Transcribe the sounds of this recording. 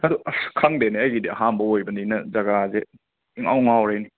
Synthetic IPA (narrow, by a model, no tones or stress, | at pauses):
hɐduɐskʰaŋdeneɐjɡidiɐɦambɐojbɐninɐzɐɡaze | iŋa̰wŋawɾejni